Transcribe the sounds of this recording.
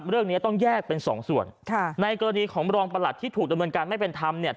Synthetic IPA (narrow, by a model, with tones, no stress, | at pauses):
p̚ɾɯ˥˩əŋni˦˥t̪ɔ˥˩ŋjɛː˥˩k̚pe˧nsɔ̰ː˩˦ŋsu˨˩ənkʰa˥˩na˧jkɔː˧ɾa˧niː˧kʰɔː˩˦ŋɾɔː˧ŋpa˧la˨˩t̪ʰːiː˥˩t̪ʰuː˨˩k̚da˧mnɤː˧nkaː˧nma˥˩jpe˧nt̪ʰa˧mni˥˩